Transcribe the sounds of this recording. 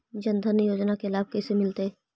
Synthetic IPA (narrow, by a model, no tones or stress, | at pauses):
d͡ʒɐ̃nd̪ʱənjoːd͡ʒnakelaːb̚kɛːsemɪlt̪e